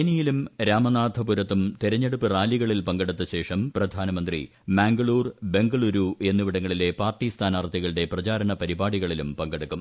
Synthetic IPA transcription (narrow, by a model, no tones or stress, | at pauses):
enijilumɾaːmɐnaːd̪ʱɐpuɾɐt̪ːumt̪iɾɐɲːeɽupːɨraːliɣɐɭilpɐŋɡɐɽut̪ːɐɕe̞ːʂɐmprɐd̪ʱaːnɐmɐnd̪rḭ | maːŋɡɐɭuːrbe̞ŋɡɐɭuɾue̞nːuʋiɽɐŋːɐɭile̞paːrʈːist̪ʰaːnart̪ʰːiɣɐɭɨɽe̞prɐt͡ɕaːɾɐɳɐpɐɾibaːɽiɣɐɭilumpɐŋɡɐɽukːum